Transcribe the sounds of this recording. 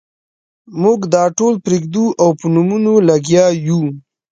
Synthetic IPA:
muɡd̪ɑʈolpɾeɡd̪uʔawpənumunolaɡjɑju

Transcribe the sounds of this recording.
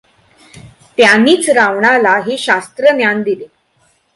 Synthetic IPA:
t̪janiːt͡sɾaʋɳalaɦeɕast̪ɾənjand̪ile

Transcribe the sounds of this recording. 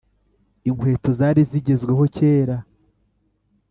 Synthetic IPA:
iŋwe̞ːtozaːɾiziɟe̞zɡwe̞ɦo̞ce̞ːɾa

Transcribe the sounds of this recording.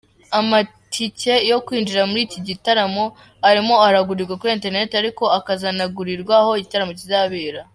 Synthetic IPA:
ama | tʰice̞jo̞kwiːnd͡ʒiɾamuɾiːciɟitaɾamo̞ | aɾimo̞aɾaɡuɾiɾɡwakuɾieːnte̞ɾne̞taɾiko̞akazanaɡuɾiɾɡwaho̞iɟitaɾamo̞cizaβeːɾa

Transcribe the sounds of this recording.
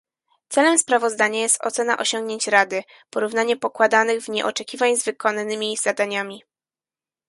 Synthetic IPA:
t̪sɛlɛmspɾavɔzd̪aɲajɛst̪ɔ̰t̪sɛna̰ʔɔɕɔŋɡɲeɲt͡ɕɾad̪ɘ | pɔɾuvnaɲɛpɔkwad̪anɘɣvɲɛ̰ʔɔt͡ʂɛkʲivaɲzvɘkɔnanɘmʲiz̥ad̪aɲamʲi

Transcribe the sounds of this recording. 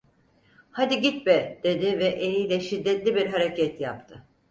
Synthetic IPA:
had̪iɟit̪̚bɛd̪̥e̞d̪ɪvɛʔenijlʲɛʃid̪ːɛt̪lʲibiɾɦaɾecʰɛt̪ʰjap̚t̪ʰɯ

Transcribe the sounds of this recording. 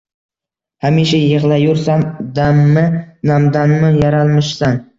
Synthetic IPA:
hamiʃajɨʁlˠajʊɾsamd̪amːɪnamd̪anmɪjaɾalˠmɪʃsan

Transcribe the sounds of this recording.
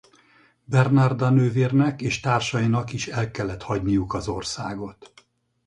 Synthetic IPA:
bɛrnɒrd̪ɒnøːviːrnɛkeːʃt̪aːrʃɒjinɒkiʃɛlkɛlːɛt̪hɒɟnijukɒzo̞rsaːɡo̞t̪

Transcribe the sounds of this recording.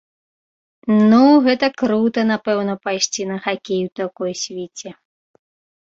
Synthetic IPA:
nuɣɛt̪ɐkɾut̪ɐnapɛwnɐpajʂt͡sʲinɐxakʲejut̪akɔjsʲvʲit͡sʲɛ

